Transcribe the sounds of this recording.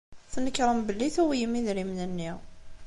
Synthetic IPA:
θnəkːɾˤəmbəlːiθuwijəmiðɾimnənːiʁ

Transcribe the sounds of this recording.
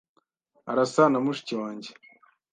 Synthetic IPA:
a̰ɾasanamuʃi̥ciwaːɲɟe

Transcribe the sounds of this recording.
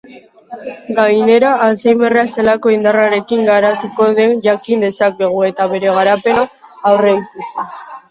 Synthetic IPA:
ɡajne̞ɾaːsejme̞rease̞lako̞ind̪araɾe̞kiŋɡaɾat̪uko̞ðe̞nʝakind̪e̞sake̞ɣ̞ue̞t̪aβe̞ɾe̞ɣ̞aɾape̞naː | wreit̪usu

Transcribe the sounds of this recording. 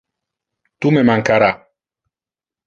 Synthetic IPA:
t̪umemaŋkaɾa

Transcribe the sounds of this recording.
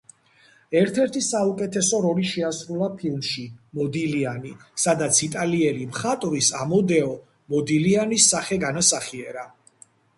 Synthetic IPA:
ɛɾt̪ʰɛɾt̪ʰisaukʼɛt̪ʰɛsɔɾɔliʃɛasɾulˠapʰilˠmʃimɔd̪ilianisad̪at̪sʰit̪ʼaliɛlimχat̪ʼvisamɔd̪ɛɔ | mɔd̪ilianisːaχɛɡanasaχiɛɾa

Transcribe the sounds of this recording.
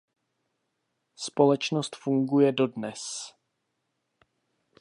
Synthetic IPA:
spo̞lɛt͡ʃnost̪fuŋɡujɛdo̞dnɛs

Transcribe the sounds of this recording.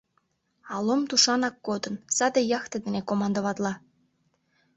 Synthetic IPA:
ɑlomt̪uʃɑnɑkːod̪ənsɑd̪ejɑxt̪ed̪enekomɑnd̪əβɑt̪lɑ

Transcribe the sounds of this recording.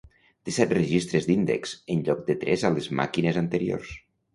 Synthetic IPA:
t̪esɛt̪rəʒist̪ɾezd̪ind̪ḛksənʎɔk̚d̪et̪ɾɛzalezma̰kinezant̪əɾio̰rs

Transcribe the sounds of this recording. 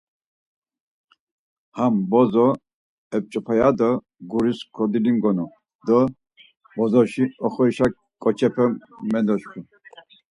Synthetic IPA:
hambɔzɔ | ɛp̚t͡ʃʼɔpʰajad̪ɔ | ɡuɾiskʰɔd̪ilimɡɔnɔ | d̪ɔ | bɔzɔʃiɔχɔɾiʃak | kʼɔt͡ʃʰʼɛpʰɛmmɛnd̪ɔt͡ʃkʰu

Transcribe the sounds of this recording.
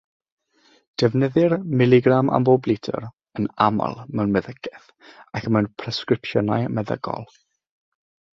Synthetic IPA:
d̥ɛvnəðɪrmɪlˠɪɡrama̰mboblɪtʰə̰r | ənama̰lˠmɛwnmɛðəɡʰɛθ | akʰəmɛwnpʰrɛskrɪpʃənajmɛðə̰ɡ̥ɔ̰lˠ

